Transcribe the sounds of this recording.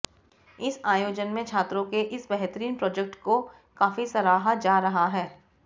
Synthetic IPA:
ɪsaːjoːd͡ʒənmẽt͡ʃʰaːt̪ɾõkeʔɪsbɛɦt̪əɾiːnpɾɔːd͡ʒek̚ʈko | kaːfisɐɾaːɦad͡ʒaːɾɐɦaɦɛː

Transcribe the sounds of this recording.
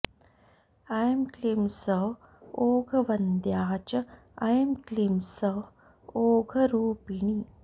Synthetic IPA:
ajemklimsə | oːɡʱəʋɐnd̪jaːt͡ʃ | ajmklimsə | oːɡʱəɾuːpiɳi

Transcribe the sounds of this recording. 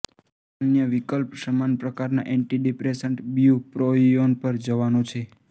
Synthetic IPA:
ənjəʋikəlpsəmanpɾəkaɾna̰ʔɛɳʈiɖipɾesəɳʈbjupɾoionpəɾd͡ʒəʋanõt͡ʃʰe

